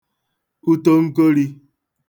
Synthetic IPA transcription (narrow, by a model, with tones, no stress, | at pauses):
u˦to˦ŋ̩˦ko˦ɾi˦